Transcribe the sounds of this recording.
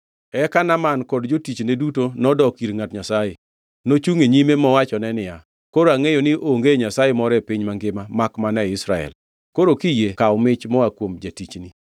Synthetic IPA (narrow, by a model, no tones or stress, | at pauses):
ɛkanamankɔdd͡ʒotit͡ʃnedutonɔdɔkiɾŋatɲasaje | not͡ʃuŋeɲimemɔwat͡ʃɔnɛnɪja | koɾoaŋejonɪʔoŋɡeɲasajemɔɾɛpɪɲmaŋɡɪmamakmanɛɪsɾa̰ɛ̰l | koɾokijekawɔmɪt͡ʃmɔakwomd͡ʒatit͡ʃni